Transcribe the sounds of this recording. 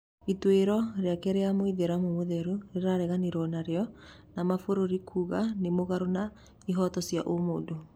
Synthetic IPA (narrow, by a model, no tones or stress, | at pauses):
itweɾɔɾeakɛɾeamoiðeɾamomoðɛɾuɾeɾaɾɛɣaniɾɔnaɾeɔ | namafoɾoɾikʰuɣanemoɣaɾona | iɦɔtɔsjaʔomoːdo